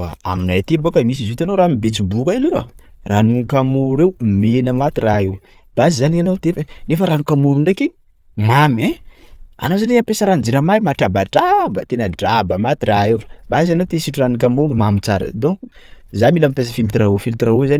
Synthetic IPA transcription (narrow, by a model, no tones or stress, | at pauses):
a̰a̰minajt̪imbokəmis̬izut̪anowɾamibet͡sibukaileka̰ranukamuɾewmenəmat̪iraew | b̥azizanianawt̪efenefəɾanukamuɾuɳɖ͡ʐeki | mamẽ | a̰nawzaneapesəɾand͡ziɾəmajmaʈ͡ʂabaɖ͡ʐabət̪enəɖ͡ʐabəmat̪iɾaewbazanawt̪esiʈ͡ʂuranukamumamit͡saɾə̰d̪ozailamipes̬əfimit̪iɾaufilt̪iɾauzani